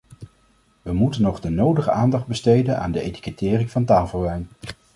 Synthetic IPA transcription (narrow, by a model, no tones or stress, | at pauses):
ʋəmutənːɔχdənowdəχəaːndɑχd̚bəstejdəna̰ːndəejti̥kətɪːrɪŋvɑntaːlˠvəlʋɛjn